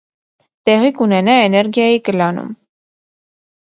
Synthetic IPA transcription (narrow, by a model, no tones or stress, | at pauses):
t̪ɛʁikunɛnɑɛnɛɾɡjɑjikəlɑnṵm